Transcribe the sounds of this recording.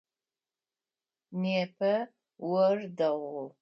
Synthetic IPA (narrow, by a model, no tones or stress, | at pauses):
neːpʰɐ | wɐrdɐʁʷʊ